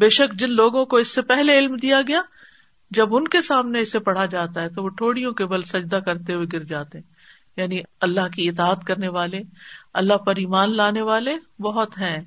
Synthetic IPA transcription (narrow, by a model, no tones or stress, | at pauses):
beːʃɐkd͡ʒɪnloːɡõkoɪsːepɛɦleɪlmd̪ijaɡɐja | d͡ʒɐbʊnkesaːmneɪsepɐɽ̤ad͡ʒaːt̪aɦɛt̪oʋoʈʰoːɽijõkebɐlsɐd͡ʒd̪akɐɾt̪eɦuweɡɪɾd͡ʒaːt̪eɦɛ̃ | jaːniɐlːaɦkiɪt̪aːət̪kɐɾneʋaːleɐ̰lːaɦpɐɾiːmaːnlaːneʋaːlebɐɦʊt̪ɦɛ̃ː